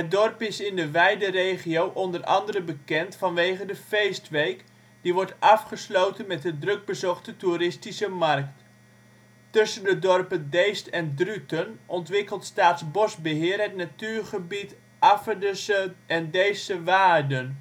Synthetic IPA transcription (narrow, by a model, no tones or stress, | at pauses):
ɦədɔrpɪsɪndəʋɛjdərejχiowʔɔndərɑ̰ndəɾəbəkɛntfɑnʋejχədəfejstʋejk | diʋɔɹtɑfχəslowtənmɛt̚dədrɵɡ̚bəzɔχtətuɾɪstisəmɑrk̚t | tɵsəndədɔrpəndejstɛndrytənʔɔntʋɪkəlˠtstaːtsbɔsbəɦɪːrɦətnatyːɹχəbit | ʔɑfədəsəʔɛndejsəʋaːrdən